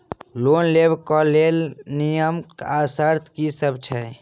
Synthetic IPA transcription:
lonlebʱkɔlelnijəmkasəɾt̪ʰkisəbt͡ʃʰɛ

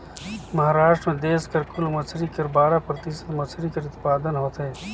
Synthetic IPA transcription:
mɐɦaːɾaːʃʈɾəmẽd̪eːskɐɾkʊlmɐt͡ʃʰɾikɐɾbaːɾapɾɐt̪isə̥t̪mɐt͡ʃʰɾikɐɾʊt̪paːd̪ənɦoːt̪ɦeː

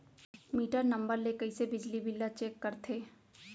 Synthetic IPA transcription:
miːʈəɾnɐ̃mbəɾlekəisebɪd͡ʒlibɪlːat͡ʃeːkːɐɾt̪ʰeː

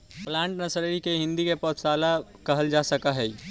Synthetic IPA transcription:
plãːɳʈnɐsɾeikeɦɪ̃nd̪ikepɔːt̪saːlakɐɦəld͡ʒaːsɐkaɦɛːi

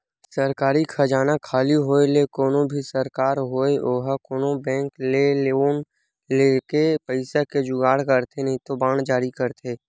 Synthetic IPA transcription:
səɾkaːɾikʰɐd͡ʒaːnakʰaːliɦoːelekoːnõbʱisəɾkaːɾɦoːeʔoːɦəkoːnõbɛ̃ːŋklelon | leːkepəɪsaked͡ʒʊɡaːɽkəɾt̪ʰenəɦĩt̪obaːɳd͡ʒaːɾikəɾt̪ʰeː

